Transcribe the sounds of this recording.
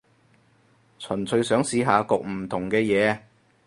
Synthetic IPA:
t͡sʰɵ˨˩nt͡sʰɵ˧ɥsœː˨˥ŋsiː˨˥ɦaː˨˧kʊ˨k̚m̩˨˩t̪ʰʊ˨˩ŋkɛː˧jɛː˨˧

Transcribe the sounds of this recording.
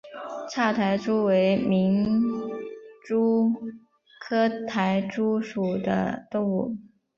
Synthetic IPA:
ʈ͡ʂʰa˥˩t̪ʰa˧˥ɪʈ͡ʂu˥we˧˥ɪmi˧˥ŋ | ʈ͡ʂu˥ | kʰɤ˥t̪ʰa˧˥ɪʈ͡ʂu˥ʂu˨˩d̪ə̰˦t̪ʊ˥˧ŋu˥˩

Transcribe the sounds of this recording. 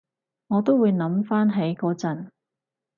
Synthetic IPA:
ŋɔː˨˧t̪o˥wuː˨˧jnɐ˨˥mfaː˥nɦe˨˥jkɔː˧t͡sɐ˨n

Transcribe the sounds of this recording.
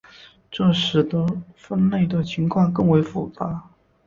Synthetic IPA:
ʈ͡ʂɤ˥˩ʂɻ̩˧˥d̪ə˧fə˥nle˥˩ɪd̪ə˩t͡ɕʰi˧˥ŋkʰwɑ˥˧ŋkɤ˥˩ŋwe˧˥ɪfu˨˩t͡sa˧˥

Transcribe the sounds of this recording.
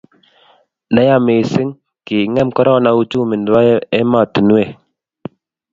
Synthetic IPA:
na˦ja˦˨me˨sɪ˦ŋ | ki˨ŋɛ˦mkɔ˦ɾɔ˦na˨˦u˦t͡ʃu˦˨mɪ˨ndwa˦jɛ˦ma˦˨ti˨nwe˦˨

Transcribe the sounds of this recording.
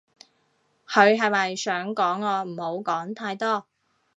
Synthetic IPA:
kʰɵ˨˧ɥɦɐ˨jmɐ˨jsœː˨˥ŋkɔː˨˥ŋɔː˧m̩ː˨˩ho˨˧˥wkɔː˨˥ŋt̪ʰaː˧jt̪ɔː˥

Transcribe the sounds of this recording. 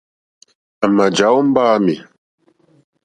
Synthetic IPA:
a˨ma˨d͡ʒa˨˦wm̩˦baː˦mi˨

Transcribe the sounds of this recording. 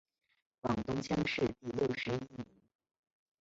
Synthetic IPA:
fɑ˨˩ŋt̪ʊ˥ŋt͡ɕʰjɑ˥ŋʂɻ̩˥˧t̪i˥˧ljo˥˩ʊʂɻ̩˧˥i˥ni˧˥˦n

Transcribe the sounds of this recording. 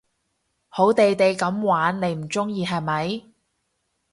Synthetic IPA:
ho˨˥wt̪e˨jt̪e˨jkɐ˨˥mwaː˨˥nne˨˧˥jm̩˨˩t͡sʊ˥ŋjiː˨˧ɦɐ˨jmɐ˨˥j

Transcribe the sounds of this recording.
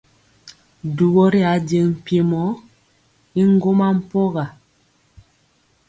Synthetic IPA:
du˨bɔ˦ɾi˦a˨˦de˨ŋm̩˨pje˨mɔ˨˦ | i˦ŋ˦ɡo˦ma˦m̩˦pɔ˦ɣa˨

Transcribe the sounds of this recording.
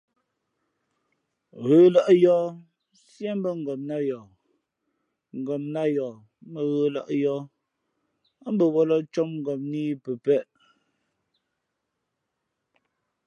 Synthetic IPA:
ɣəː˨˦la˦ʔjɔː˦ | sjɛ˦m˦bə˦ŋ̩˨ɡɔ˨mna˦jɔ˨ | ŋ̩˨ɡɔ˨mna˦jɔ˨ | mə˨ɣəː˦la̰˦ʔjɔ˦ | a˦m̩˦bə˨wɔ˦lɔ˦t͡ʃɔ˦mŋ˨ɡɔ˨mni˦pə˨pɛ˦˨ʔ

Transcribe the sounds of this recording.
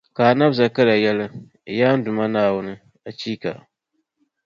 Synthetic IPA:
ka˨na˦bza˨kɨ˦la˨jɛ˦lɨ˦˨ | jaː˦n̩˦dʊ˨ma˦naː˨wʊ˦nɨ˦ | a˨t͡ʃiː˦ka̰˨

